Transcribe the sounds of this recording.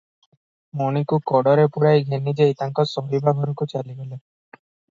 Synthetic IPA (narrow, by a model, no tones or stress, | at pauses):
moñikukɔɽɔɾepuɾajɡʱenid͡ʒeit̪aŋkɔsɔɦibaɡʱɔɾɔkut͡ʃaliɡɔle